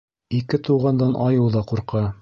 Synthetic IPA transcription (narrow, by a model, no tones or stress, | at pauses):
ikɘt̪uwʁɑnd̪ɑnʔɑjɤw̪ˠðɑquɾqɑ